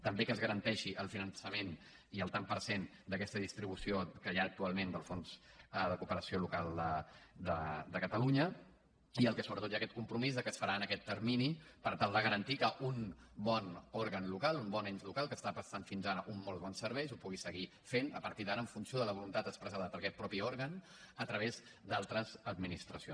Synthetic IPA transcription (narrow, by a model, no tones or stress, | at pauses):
t̪əmbekəzɣəɾənt̪ɛʃiʔəlˠfinənsəmen | iəlˠt̪ampəɾsen | d̪əkɛst̪əðist̪ɾiβ̞usiokəjaːk̚t̪ualˠmend̪əlˠfonz̥ðəkupəɾəsiolukalˠd̪əd̪əd̪əkət̪əluɲə | iəlˠkɛsoβɾət̪ot̪jaːkɛt̪̚kumpɾumizðəkəsfəɾaənəkɛt̪ːəɾminipəɾt̪alˠd̪əɣəɾənt̪ikəʔunbɔnɔɾɣənlukalˠumbɔneɲzlukalˠkəːst̪apɾəst̪anfinzaɾəʔumːɔlˠβɔnsəɾβɛjzupuɣisəɣi | fenə̰pəɾt̪iðaɾəɱfunsioðələβulunt̪at̪əspɾəzaðəpəɾkɛt̪̚pɾɔpiɔɾɣən | ət̪ɾəβ̞ez | d̪alˠt̪ɾəzəd̪minist̪ɾəsio̰n